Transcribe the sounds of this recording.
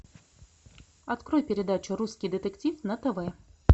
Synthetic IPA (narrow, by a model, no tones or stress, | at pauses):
ɐt̪kɾojpʲɪɾʲɪd̪at͡ɕʊɾuskʲijd̪ɨt̪ɛktʲifnɐt̪əvɛ